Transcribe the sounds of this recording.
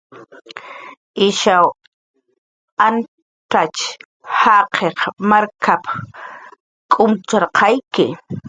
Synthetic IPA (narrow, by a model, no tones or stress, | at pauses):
ɪʃaw | an | ʈ͡ʂat͡ʃ | haqʰeχmaɾkʰapḁ | kʼʊmt͡ʃaɾqʰɑjkɪ